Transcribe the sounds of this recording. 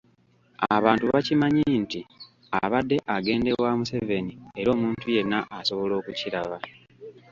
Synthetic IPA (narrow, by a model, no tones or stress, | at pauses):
aβaːntuβacimaɲinti | aβadːe̞ʔaɡe̞ːnde̞wamuse̞ve̞nie̞ɾo̞ːmuːntuje̞nːaʔːsoβo̞lo̞ːkuciɾaβa